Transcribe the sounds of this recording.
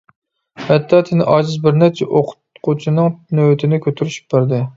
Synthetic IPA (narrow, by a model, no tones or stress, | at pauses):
hɛt̪ːɑːt̪ʰɪnɪʔɑːd͡ʒɨzbɪɾnɛt͡ʃʰɛʔoqʰʊ̥t̪qʰʊt͡ʃʰinɨŋnøwt̪ʰɪnɪkʲʰøt̪ʰyɾyʃy̥p̚bæɾd̪ɪ